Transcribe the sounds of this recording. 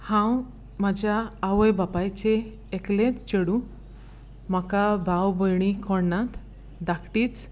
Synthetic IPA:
hãw | mad͡ʑʱjaːʋəjbapajt͡ɕeː | klẽt͡st͡ɕeɽũ | m̤akabʱawbəjɳ̃ikʰɔɽnat̪ | d̪akʈiːt͡s

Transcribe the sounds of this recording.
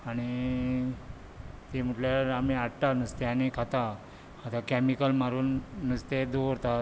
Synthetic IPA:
aɽ̃i | t̪em̤uʈljaɾamiaɽʈanəst̪eanikʰat̪a | at̪akɛmikəlmaɾuːnːəst̪ed̪oɾt̪a

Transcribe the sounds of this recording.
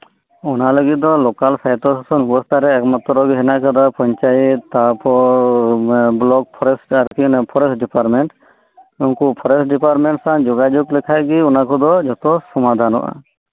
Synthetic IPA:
unaləɡit̪̚d̪ɔlɔkalsʰajt̪ɔssɔnbɔst̪ʰaɾɛːkmat̪ːɔɾɔɡɔɦɛnakad̪apɔɲt͡ʃajit̪ːapʰɔ | blɔk̚pʰɔɾɛsʈaɾkinɛpʰɔɾɛsɖipaɾmɛɳʈ | uŋkupʰɔɾɛsʈɖipaɾmɛɳʈsaŋd͡ʒɔɡad͡ʒuklɛkʰaɡiunakɔd̪ɔd͡ʒɔt̪ɔsɔmad̪ʱanɔ̰ʔa̰

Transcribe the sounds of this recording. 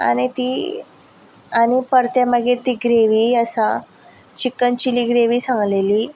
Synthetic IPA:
a̰ñit̪iː | añipəɾt̪jamaɡiːɾt̪iːɡɾeʋiːəsa | t͡ɕikːənt͡ɕiliːɡɾeʋiːsãŋɡleliː

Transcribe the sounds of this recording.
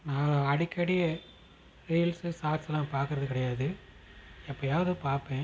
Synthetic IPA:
nãːlɐɽɪkːɐɽɪjɐ | ɾiːlsɯsaːɾsɛlːãːpaːɾkɯɾɐðɯkɪɽɐjaːðɯ | ɛpːɐoːjaːʋɐðɯpaːɾpẽː

